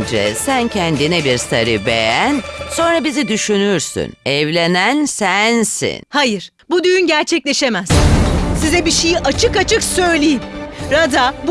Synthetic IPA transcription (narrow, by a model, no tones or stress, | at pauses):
nd͡ʒɛ̰sæncʰɛnd̪inɛbiɾsaɾɯbejænso̞nɾabizid̪yʃynyɾsy̰nɛvlʲenænsænsḭnhajɯɾ̥ | bud̪yjynɟæɾt͡ʃʰɛclʲeʃemæz̥sizɛbiʃejiʔat͡ʃʰɯkat͡ʃʰɯksø̞jlʲijimɾad̪ab